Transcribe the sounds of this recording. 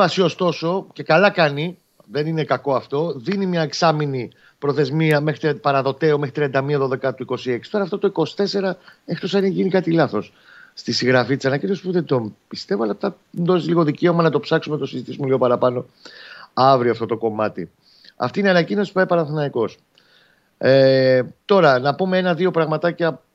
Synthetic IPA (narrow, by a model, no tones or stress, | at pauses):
ɐsio̞st̪o̞so̞ce̞kɐlɐkɐni | ðe̞nine̞kɐko̞ɐft̪o̞ðinimɲɐeksɐmini | pɾo̞θe̞zmiɐmexɾit̪pɐɾɐðo̞t̪e̞ome̞xɾit̪ɾiɐnd̪ɐmiɐðo̞ðe̞kɐt̪uiko̞sie̞ksi̥t̪ɾɐːft̪o̞t̪oiko̞si̥t̪e̞se̞ɾɐeçit̪o̞sɐniçʝinikɐt̪ilɐθo̞s | st̪isiɣɾɐfit̪i̥sɐnɐcinosi̥puðe̞d̪ompist̪e̞voɐlɐpt̪ɐ | nd̪o̞sliɣo̞ðice̞o̞mɐnɐt̪o̞psɐksumet̪o̞sizit̪isumeliɣo̞pɐɾɐpɐno̞ | ɐvɾioɐft̪o̞t̪o̞ko̞mɐt̪ḭ | ɐ̰ft̪ineɐnɐcino̞si̥puejpɐnɐnθinɐiko̞s | et̪o̞ɾɐnɐpumeenɐðio̞pɾɐɣmɐt̪ɐcɐ